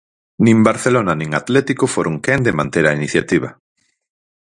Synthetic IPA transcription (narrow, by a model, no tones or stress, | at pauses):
nĩmbaɾθelonanĩŋat̪lɛt̪ikofoɾoŋkend̪emãnt̪eɾainiθja̰t̪iβ̞a